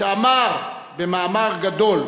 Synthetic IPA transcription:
amaʁbemaːmaʁɡad̪o̞l

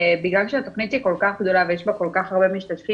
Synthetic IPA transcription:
biɡlalʃeat̪oχnit̪jiko̞lkaχɡd̪o̞lavejeʃbako̞lkaχaʁbe̞miʃtat̪fi

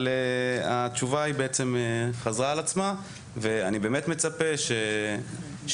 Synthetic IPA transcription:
leat͡ʃuvaibeet͡se̞meχazʁaːlat͡sma | ve̞anibe̞ːmetme̞t͡sapeʃe | ʃ

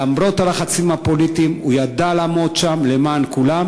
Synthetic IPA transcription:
amɾo̞t̪alaχat͡simhapo̞lit̪imujad̪alaːmo̞d̪ʃamle̞maːnkulam

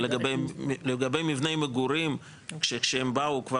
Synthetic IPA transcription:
leɡabejleɡabejmivnejmeɡuɾim | kʃekʃeembaukva

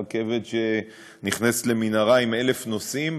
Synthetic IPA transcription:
ke̞vedʃe | niχnasle̞minaʁaime̞lefnosim

